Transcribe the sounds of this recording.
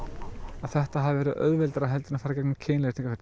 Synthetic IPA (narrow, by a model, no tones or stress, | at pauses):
aðθɛht̪aɦavɪvɛːɾʏðʔœ̰ðvɛlt̪aɾaɦɛlt̪ʏɪnafaːɾcɛknacʰeːnlɛjɾt̪ʰiŋkafɛɾ